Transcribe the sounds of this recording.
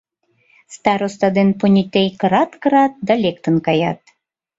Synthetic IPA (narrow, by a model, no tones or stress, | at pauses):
st̪ɑɾost̪ɑd̪enponʲit̪ejkɾɑt̪kɾɑt̪̚d̪ɑlʲekt̪ə̆nkɑjɑ̰t̪